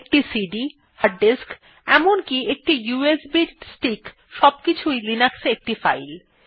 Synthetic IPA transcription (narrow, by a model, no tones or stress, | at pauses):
k̚ʈisiɖi | haɾɖːesk | ɛmonkiek̚ʈijuesbiʈsʈik | ʃɔb̚kit͡ɕʰujlinaksek̚ʈifajl